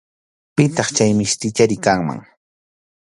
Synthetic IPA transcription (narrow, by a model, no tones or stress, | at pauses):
pɪt̪ɑχt͡ʃajmɪst̪ɪt͡ʃaɾɪkaŋma̰ŋ